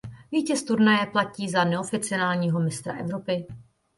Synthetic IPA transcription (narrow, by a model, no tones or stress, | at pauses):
viːcɛst̪uɾnajɛplaciːzanɛofɪt͡sɪonaːlɲiːɦo̞mɪst̪ɾa̰ʔɛvɾo̞pɪ